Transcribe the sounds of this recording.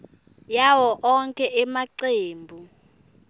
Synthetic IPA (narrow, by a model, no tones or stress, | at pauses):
jawɔʔɔŋkʼɛʔɛmaǀeːmbʱu